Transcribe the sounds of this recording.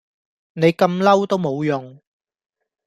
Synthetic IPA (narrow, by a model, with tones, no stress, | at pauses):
ne˨˧jkɐ˧mlɐ˥wt̪o˥wmo˨˧wjʊ˨ŋ